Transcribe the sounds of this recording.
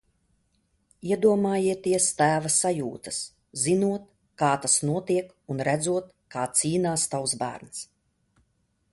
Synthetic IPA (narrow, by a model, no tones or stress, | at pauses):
iɛd̪uɔmaːjiɛt̪iɛst̪æːvasajṵːt̪ɐ̥s | zinuɔt̪̚ | kaːt̪asnuɔt̪iɛk | unɾæd̪zuɔt̪̚ | kaːt̪siːnaːst̪awsbæ̰ːɾns